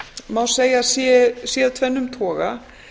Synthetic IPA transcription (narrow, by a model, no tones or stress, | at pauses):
mawseːjasɛsjɛt̪ʰvɛnːʏmt̪ʰɔːɣa̰